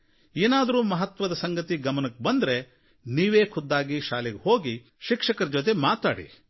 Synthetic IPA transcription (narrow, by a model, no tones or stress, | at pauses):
eːnaːd̪ɐɾuːmɐɦɐt̪ʋɐd̪ɐsɐŋɡɐt̪iɡɐmɐnɐk̚ːebɐnd̪ɾe | niːʋeːkʰud̪ːaːɡiʃaːleɡeɦoːɡi | ʃikʂɐkɐɾd͡ʒot̪̬emaːt̪a̰ːɽḭ